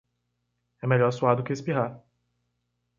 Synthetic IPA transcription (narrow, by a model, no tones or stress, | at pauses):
ɛmeʎɔɾsuad̪ʊkɪespiɦaɾ